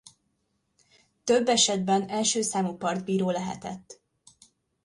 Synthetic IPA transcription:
t̪øbːɛʃɛd̪̚bɛnɛlʃøːsaːmupɒrd̪biːɾoːlɛɦɛ̰t̪ɛ̰t̪ː

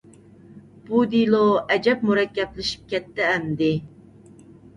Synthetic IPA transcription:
b̥ud̪ilˠoɛd͡ʒɛp̚muɾɛkʲːɛplɪʃi̥p̚kʲɛt̪ːɪːmd̪ɪ

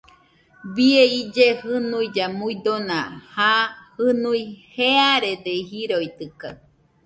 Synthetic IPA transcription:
bieid͡ʒehɨnuid͡ʒamuid̪onãhahɨnuiheaɾed̪eɦiɾoit̪ɨka̰

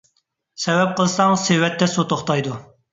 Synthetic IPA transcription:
sɛwɛp̚qəlˠsɑŋsewɛt̪ʰːɛsot̪oχt̪ɑjd̪u

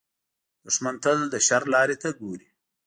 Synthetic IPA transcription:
d̪̥ʊʂmant̪əld̪əʃaɾlɑːɾet̪aɡoɾi

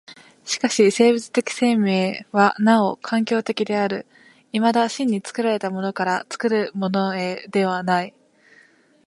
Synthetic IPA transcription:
ɕi̥kaɕise̞ːbɯt͡sɨ̥t̪e̞kʲi̥se̞me̞ːβanao̞kʰãŋkʲo̞ːt̪e̞kʲid̪e̞aɾɯ̟ | imad̪aɕĩɲ̟ːit͡sɨ̥kɯ̟ɾaɾe̞t̪amo̞no̞kaɾat͡sɨ̥kɯ̟ɾɯ̟mo̞no̞e̞d̪e̞β̞anai

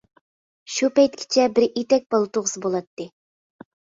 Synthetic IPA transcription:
ʃupɛjt̪̚kʲʰɪ̥t͡ʃʰɛbɪɾit̪ɛk̚ʲbɑlˠɨt̪oʁəsɨbolˠɑt̪ːɨ

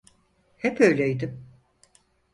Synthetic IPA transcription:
hɛpʰøjlʲejd̪ɪm

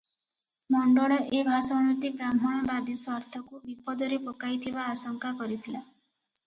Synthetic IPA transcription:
mɔɳɖɔɭɔʔebʱasɔɽ̃ɔt̪iɡɾamʱɔɽ̃ɔbad̪isaɾt̪ʰɔkubipɔd̪ɔɾepɔkajt̪ʰibaːsɔŋkakɔɾit̪ʰila

